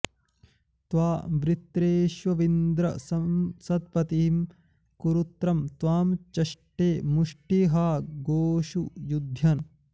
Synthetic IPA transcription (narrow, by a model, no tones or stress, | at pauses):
t̪ʋaːbɾit̪ɾeːʃʋɐʋind̪ɾɐ̰sɐsɐt̪̚pɐt̪iim | kuɾut̪ɾɐmt̪ʋaːmt͡ʃɐʂʈeːmuʂʈiɦaːɡoːʃujud̪ʱjɐn